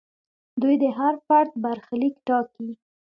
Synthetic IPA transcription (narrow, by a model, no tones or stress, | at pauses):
d̪ujd̪əɦaɾfaɾt̪̚baɾxlikʈɑki